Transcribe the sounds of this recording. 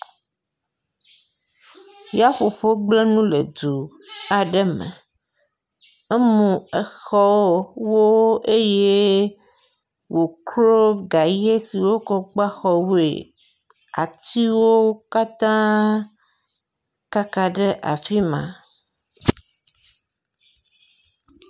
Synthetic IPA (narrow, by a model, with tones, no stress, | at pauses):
ja˦ɸo˨ɸo˦ɡ͡ble˦nũ˦le˨d̪u˨ | a˨ɖɛ˦mɛ̰̃˨ | e˦mũ˨ɛ˨xɔ˦wo˦e˦je˦ | wo˨kɾo˦ɡa˨je˦si˨wo˦kɔ˦ɡ͡ba˦xɔ˦wḛ˨ | a̰˨t̪i˦wo˦ka˦t̪ã˦ | ka˦ka˨ɖe˦ʔa̰˨fi˦mã̰˨